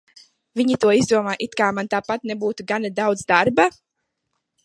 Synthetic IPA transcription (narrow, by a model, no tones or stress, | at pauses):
viɲit̪uɔizd̪uɔmaːʔit̪kaːmant̪aːpat̪̚nebuːt̪uɡanad̪awd̪zd̪aɾba